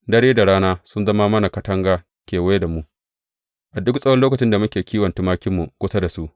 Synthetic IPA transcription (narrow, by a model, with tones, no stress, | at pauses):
dɐ˦ɽeː˦da˨ɽaː˦naː˦sʊ˦nzɐ˦ma˦mɐ˦na˨kɐ˦tɐ˦ŋɡaː˦ | kʲeː˨wɐ˦je˦da˨mu˦ʔ | ʔa˨dʊ˦ksʼɐ˦wɐ˦loː˦kɐ˨t͡ʃɪ˦nda˨mʊ˦kʲeː˨kʲʰiː˦wɐ˨ntu˦maː˦kʲɪ˦mːu˨kʷʊ˦sa˦da˨su˦ʔ